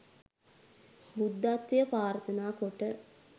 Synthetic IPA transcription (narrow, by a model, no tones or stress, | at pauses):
bud̪ːat̪ːʋijəpaːɾət̪ənaːkoʈə